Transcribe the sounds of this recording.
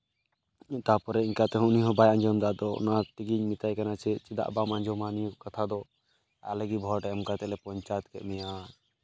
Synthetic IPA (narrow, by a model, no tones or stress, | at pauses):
t̪apɔɾɛiŋkat̪ɛɦɔ̃uniɦɔ̃bajaɲd͡ʒɔmd̪aʔd̪ɔ̰nat̪iɡiɲmit̪ajkanat͡ʃʰɛt͡ʃid̪a̰ʔbamaɲd͡ʒʱɔmaniukat̪ʰad̪ɔ | a̰lɛɡibʱɔɾʈɛɛmkat̪ɛlɛpɔɲt͡ʃajt̪̚kɛ̰ʔmɛja